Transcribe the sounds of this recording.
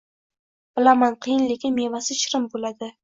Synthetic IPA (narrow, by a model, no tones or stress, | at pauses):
b̥ɪlamanqʰɨjɪnlekʲɪnmevasɪʃɾɪmbolad̪ɪ